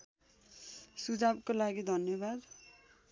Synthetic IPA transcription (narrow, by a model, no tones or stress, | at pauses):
sud͡zabkolaɡid̪ʱʌnjʌbad̪